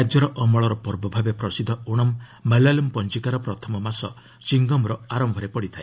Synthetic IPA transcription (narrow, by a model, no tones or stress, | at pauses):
ad͡ʒɔɾɔʔɔmɔɭɔɾɔpɔɾbɔbʱabepɾɔsid̪ʱːɔoɽ̃ɔmːalalempɔnt͡ʃikaɾɔpɾɔt̪ʰɔmɔmasɔ | t͡ʃiŋɡɔmɾɔaɾɔmbʱɔɾepɔɽit̪ʰae